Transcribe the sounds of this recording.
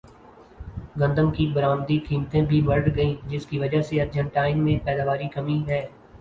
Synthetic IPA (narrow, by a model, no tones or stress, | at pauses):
ɡɐ̃nd̪əmkibɐɾaːmd̪ikiːmt̪ẽbʱibɐɾʈɡɐĩːd͡ʒɪskiʋɐd͡ʒaseɐd̪d͡ʒənʈaːɪnmẽpɛːd̪aːʋaːɾikɐmĩɦɛː